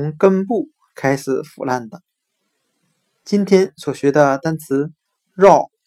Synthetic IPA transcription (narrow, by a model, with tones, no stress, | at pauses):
ʊ˧˥ŋkə˥npu˥˩ | kʰa˥ɪʂɻ̩˨˩˦fṵ˨˩la˥˩nd̪ə˩ | t͡ɕi˥nt̪ʰjɛ˥nswɔ˨˩ɕɥɛ˧˥d̪ə˧t̪a˥nt͡sʰɹ̩˧˥ | ɻɑ˥˩ʊ